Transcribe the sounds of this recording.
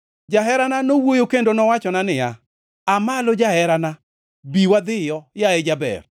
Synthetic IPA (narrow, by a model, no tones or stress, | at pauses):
d͡ʒaɦɛɾananowojokendonɔwat͡ʃɔnanɪja̰ | amalod͡ʒahɛɾana | biwad̪ɪjɔjaed͡ʒabɛ̰r